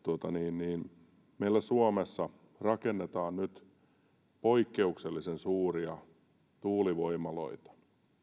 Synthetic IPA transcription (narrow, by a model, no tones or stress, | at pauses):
t̪uot̪ɑniːnniːn | meilːæsuomesːɑ | rɑkenːet̪ɑːnnyt̪ | poikːeukselːisensuːriɑ | t̪uːliʋoimɑlo̰it̪ɑ̥